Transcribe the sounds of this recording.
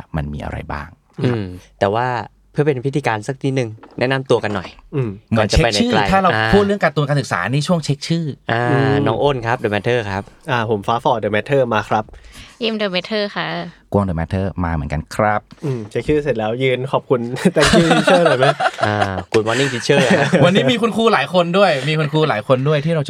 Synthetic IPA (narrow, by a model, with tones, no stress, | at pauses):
ma˧nmiː˧ʔa̰˧ɾa̰˧jba̰ː˥˩ŋ | ɯa˦˩mt̪ɛː˨˩waː˥˩ | pʰɯ˥˩əpe˧npʰi˦t̪ʰːiː˧kaː˧nsa˨˩k̚t̪ʰiː˧˥˩nɯ˨˩ŋnɛ˦˥na˧˥mt̪u˧ɐka˧nːɔ˨˩jʔɯː˧˩mmɯ˨˩˦nt͡ɕa˨e˦pa˧jn̚a˧ɯː˥˩la˧t̪ʰaː˥˩ɾa˧pʰuː˥˩t̪̚lɯ˥əka˨˧t̪ːu˧kaː˧nsɯ˨˩ksa̰ː˩˦˧niː˦˥˩t͡ɕʰu˥˩əŋt͡ɕʰe˦˥k̚t͡ɕʰɯː˥˩ʔaː˧nɔː˦˥ŋʔoː˥˩nkʰɾa˦˥p̚doː˧˩mɛː˧t̪ʰɤː˥˩kʰɾa˦˥p̚ʔaː˧˩pʰo˩˦mfaː˦˥fɔː˧˩dɯː˧mɛː˦˥t̪ʰɤː˥˩maː˧kʰɾa˦˥p̚jiː˧˥mdoː˧mɛː˦˧˥t̪ʰɤː˥˩xʰa˦˥˩ku˧ŋdoː˧jmɛː˦˧˥t̪ʰɤː˥˩ma̰ː˧mɯ˩˦əŋka̰˧nkʰɾa˦˥p̚ʔɯː˧˩mt͡ɕʰe˦˥k̚t͡ɕʰɯː˥˩se˨˩t̪̚lɛː˦˥wjɯː˧nkʰɔː˨˩p̚kʰu˧nt̪a˧ɯ˧˥˩t̪ʰi˦˥t͡ɕʰɤː˩˥˩nɔː˨˩jma˦˥jʔaː˧˩ku˨˩t̪̚mɔː˧ni˥˩ŋt̪ʰiː˦˧t͡ɕʰɤː˧˩wa˧nːi˧˦˥miː˧kʰu˧nkʰuː˧laː˩˦jkʰo˧ndu˥˩əjmiː˧kʰu˧nkʰuː˧laː˩˦jkʰo˧ndu˥˩əjt̪ʰiː˥˩ɾa˧w